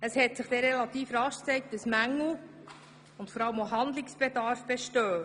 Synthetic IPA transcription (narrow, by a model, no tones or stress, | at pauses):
əshɛtsɪχd̥̪ɛɾɛlɑt̪iːfɾɑʃksɛɪk̚təsmæŋːl̩ | ʊntfɔɾɑləmoɦɑnd̪lɪksb̥edɑɾfb̥eʃtøː